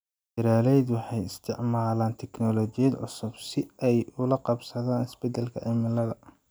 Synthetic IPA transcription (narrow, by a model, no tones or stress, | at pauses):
dɪɾaːlɛjd̪wɑħɑjɪst̪ʰɪʕmaːlaːnt̪ʰɛknɔlɔt͡ʃɪjɐd̪ʕʊ̰sʊbsɪɛjʊlɐqɑbsɐðaːnɪsbɛd̪ɐlkʰɐ̰ʕɛmɪlɐðɐ